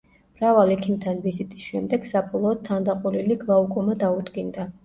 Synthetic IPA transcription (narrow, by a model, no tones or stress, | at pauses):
mɾavalˠɛkʰimt̪ʰanvizit̪ʼisʃɛmd̪ɛɡ̥sapʼɔlˠɔːd̪̚t̪ʰːand̪aqʼuliliɡlˠaukʼɔmad̪aud̪ɡind̪a